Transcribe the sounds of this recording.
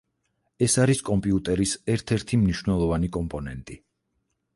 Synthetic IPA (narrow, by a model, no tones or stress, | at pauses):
ɛsaɾiskʼɔmpʼiut̪ʼɛɾisɛɾt̪ʰɛɾt̪ʰimniʃwvnɛlˠɔvanikʼɔmpʼɔnɛnt̪ʼi